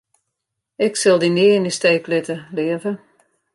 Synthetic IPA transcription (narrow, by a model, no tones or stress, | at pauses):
ɪksɪlˠdiniːnisteːklɪtəlɪəvə